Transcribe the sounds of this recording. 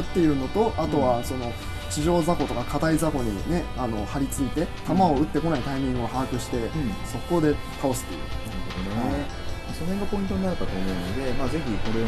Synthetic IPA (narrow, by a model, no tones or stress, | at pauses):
t̪ːe̞jɯ̟no̞t̪o̞ʔat̪o̞βaso̞no̞ | t͡ɕiʑo̞ːzako̞t̪o̞kakad̪aizako̞ɲ̟ine̞ano̞haɾʲit͡sɨit̪e̞t̪amao̞ɯ̟t̪ːe̞ko̞naik̪aimʲĩɰ̃o̞haːkɯ̟ɕi̥t̪e̞so̞kːo̞ːd̪e̞ | k̪aosɨ̥t̪ːe̞̰iɯ̟naɾɯdod̪one | masonhẽŋɡapo̞mʲĩnt̪oɲinaɾebat̪o̞ːmo̞ɯ̟nod̪e̞maːze̞çʲiko̞ɾe